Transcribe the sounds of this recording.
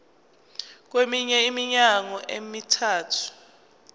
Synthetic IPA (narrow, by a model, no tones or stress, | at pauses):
k̬wemiɲɛimiɲaŋɔʔemitʰaːtʰu̥